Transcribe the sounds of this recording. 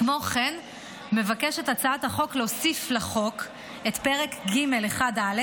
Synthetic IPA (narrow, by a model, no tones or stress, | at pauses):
mo̞χen | me̞vakeʃe̞tat͡saathaχo̞kleosiflaχo̞k | etpeʁe̞kɡime̞leχadale